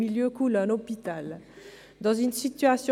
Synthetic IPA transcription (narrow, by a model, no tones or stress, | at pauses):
miljøkulɔnɔpit̪al | d̪ɑ̃zynsit̪yasj̃